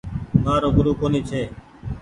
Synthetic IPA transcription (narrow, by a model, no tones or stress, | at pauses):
naːɾoːɡʊɾuːkoːniːt͡ʃʰeː